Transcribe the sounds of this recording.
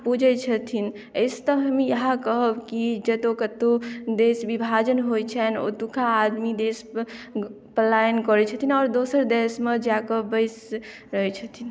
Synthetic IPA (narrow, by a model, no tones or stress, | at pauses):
pud͡ʒɛt͡ʃʰət̪ʰin | əst̪əɦəmijəɦãkəɦəbkid͡ʒət̪okət̪od̪esbibʱad͡ʒənɦojt͡ʃʰɛno̰t̪ukʰaːd̪mid̪es | pəlajənkɔɾɛt͡ʃʰət̪ʰinɔːɾd̪osəɾd̪esmed͡ʒakəbəɪs | ɾəɦɛt͡ʃʰət̪ʰin